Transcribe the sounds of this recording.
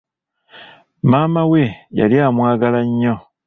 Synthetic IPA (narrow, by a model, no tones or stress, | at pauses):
maːmaweja̰lijamwaːɡalaɲːo